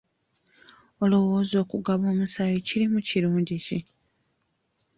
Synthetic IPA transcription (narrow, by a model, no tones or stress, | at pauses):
o̞lo̞wo̞ːzo̞ːkuɡaβo̞ːmusajiciɾimuciɾuːɲɟici